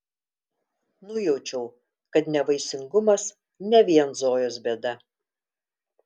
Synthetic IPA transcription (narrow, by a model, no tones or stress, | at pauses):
nʊjɛʊt͡ʃʲɛʊ | kɐt̪nʲɛʋɐɪsʲɪŋɡʊmɐs | nʲɛʋʲiɛnzoːjoːs̬bʲed̪ɐ